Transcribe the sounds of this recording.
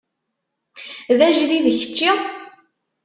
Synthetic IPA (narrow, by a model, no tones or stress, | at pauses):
ðæʒðiðəçə̥t͡ʃːi